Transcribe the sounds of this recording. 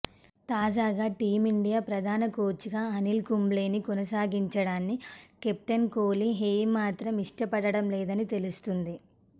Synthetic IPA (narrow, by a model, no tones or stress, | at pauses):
t̪aːd͡ʒaːɡaːʈiːmiɳɖijaːpɾɐd̪ʱaːnɐkoːt͡ʃiɡaːɐnilkumble̞ːnikɔnɐsaːɡiɲt͡ʃɐɽaːnːikep̚ʈɐnkoːliɦeːmaːt̪ɾɐmiʂʈɐpɐɽɐɽɐmlɛːd̪ɐnit̪elust̪und̪i